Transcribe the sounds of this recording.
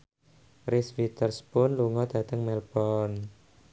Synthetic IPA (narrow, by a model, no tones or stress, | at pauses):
risfit̪ərspʊnluŋɔd̪̥ä̤t̪əŋmɛlb̥ɔn